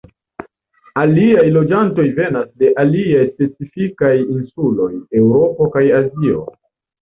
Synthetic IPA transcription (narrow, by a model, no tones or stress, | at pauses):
aliajlo̞d͡ʒanto̞jve̞nasde̞ʔaliajspe̞t͡sifikajinsulo̞je̞wɾo̞po̞kajazio̞̰